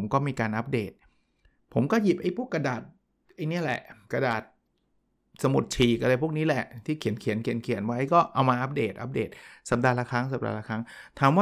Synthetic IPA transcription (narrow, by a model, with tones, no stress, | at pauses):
mkɔː˥˩miː˧kaː˧nʔa˦˥p̚deː˨˩t̪̚ | pʰo˩˦mkɔː˥˩ji˨˩p̚ʔa˧˩jpʰu˥˩kːa˧daː˨˩t̪̚ | ʔa˧jni˦˥ɐ˨lɛ̰˨˩ʔka˧daː˨˩t̪̚ | sa˧mu˨˩t̪̚t͡ɕʰiː˨˩ka˧laː˧pʰu˥˩k̚niː˦˥lɛ˨˩ʔt̪ʰiː˥˩kʰi˨˦nkʰi˨˩˦ənkʰi˨˩˦ənkʰi˨˩˦ənwa˦˥˦jkɔː˥˩ʔa˧wmaː˧ʔa˦˥p̚deː˨˩t̪̚ʔa˦˥p̚dḛː˨˩t̪̚sa˨˦p̚daː˧la˧kʰa˦˥ŋsa˨˦p̚da̰ː˧la˧kʰa˦˥ŋ | t̪ʰaː˨˦mwaː˥˩